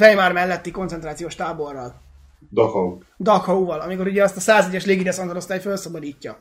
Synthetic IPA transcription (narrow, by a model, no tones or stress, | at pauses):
fɛjmaːrmɛlːɛt̪ːiko̞nsɛnt̪ɾaːt̪sijoːʃt̪aːbo̞rːɒl | d̪ɒkɒu | d̪ɒkhɒuvɒlɒmiko̞ɾuɟɛɛst̪ɒsaːzɛɟːɛʃleːɡid̪ɛsond̪olost̪aːjfølsɒbɒd̪iːcːɒ̰